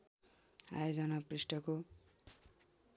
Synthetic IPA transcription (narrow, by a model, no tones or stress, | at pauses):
a̰jod͡zʌnʌprisʈʌko